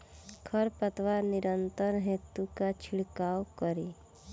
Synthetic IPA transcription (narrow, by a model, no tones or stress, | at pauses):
kʰəɾpət̪ʋaɾnɪɾənt̪əɾɦet̪ukat͡ʃʰɪɽkaːwkəɾiː